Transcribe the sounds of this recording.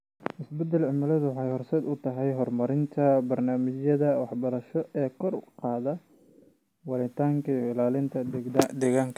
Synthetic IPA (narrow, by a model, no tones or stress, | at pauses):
ʔɪsbɛd̪ɐlʕɪmɪlɐðʊwɑħɑjhɔrsɛːd̪ʊt̪ʰɐɦɛjɦɔrmɐɾɪnt̪ʰɐbɐrnaːmɪt͡ʃjɐðɐwɑħbɐɾɐʃɔʔɛːkʰɔrqɑːðɐ | wɑlɪt̪ʰaːŋkʰɐijɪlaːlɪnt̪ʰɐd̪ɛɣaːŋkʰɐ